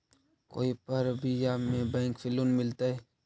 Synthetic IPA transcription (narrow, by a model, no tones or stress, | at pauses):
ko̰ːipəɾbʱijaːmẽbɛ̃ːŋkfʰɪlonmɪlt̪aɦɛː